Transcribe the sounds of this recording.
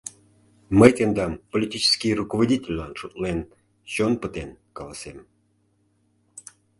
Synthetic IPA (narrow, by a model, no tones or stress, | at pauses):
məjt̪end̪ɑmpolʲit̪ʲit͡ɕɪ̥skʲijrukovodʲitʲelʲlɑnʃut̪len | t͡ɕonpət̪enkɑlɑsem